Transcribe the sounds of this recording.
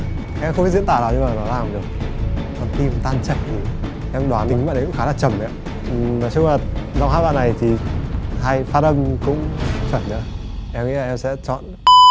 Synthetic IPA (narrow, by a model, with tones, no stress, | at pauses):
ʔɛ˧mxŋ͡mmi˦˥t̚zi˧˥ət̪aː˧˩˨aː˨˩wɲɨ˧maː˨˩nɔ˨˦laː˨˩mɗɨ˨˩ək̚ | ɔ˨˩nt̪i˧mt̪aː˧nt͡ɕə̰˧˨jt̪ʰi˨˩ | ʔɛ˧mɗwaː˨˦nɗï˨˦ŋa̰ː˧˨n˨˩kʊ˧˥xaː˧˦zaː˧˩t͡ɕə˨˩ma̰˧˦˨ | naː˨˩t͡ɕʊ˧ŋ͡mmaː˨˩za˧whaː˧jɓa̰˧˨na˨˩jt̪ʰi˨˩haː˧jfaː˧˩ə˧mkʊ̰˧˥ŋ͡mfə˧˩nɲə̰ː˧ʔɛ˧mŋḭ˧˥laː˨ʔɛ˧msɛ̰˧˥t͡ɕɔ̰˧˨n